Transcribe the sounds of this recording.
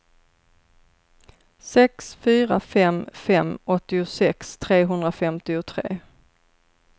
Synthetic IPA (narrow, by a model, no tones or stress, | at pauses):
sɛksfyːɾafɛmfɛmːɔt̪ːɪʊsɛkst̪ʰɾeːɦɵnd̪ɾafɛmt̪ɪʊt̪ʰɾḛː